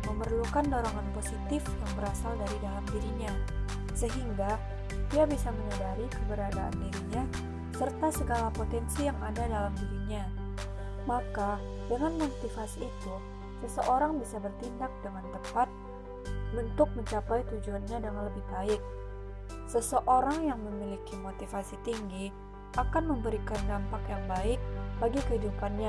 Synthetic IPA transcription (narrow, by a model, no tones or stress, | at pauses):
məmərlukandoɾoŋanposit̪ɪfjaŋbəɾasaldaɾidalamdiɾiɲa | səɦiŋɡa | diabisaməɲədaɾikəbəɾadaʔa̰ndiɾiɲa | sərt̪asəɡalapot̪ɛnsijaŋadadalamdiɾiɲa | maka | dəŋanmot̪ifasiːt̪u | səsəʔoɾaŋbisabərt̪indak̚dəŋant̪əmpat̪̚ | bənt̪ʊk̚məɲt͡ʃapajt̪ud͡ʒuanɲadəŋanləbɪhbaɪk̚ | səsəʔoɾaŋjaŋməmilikimot̪ifasit̪iŋɡi | ʔakanməmbəɾikandampakjaŋbaɪk̚baɡikəɦidupanɲa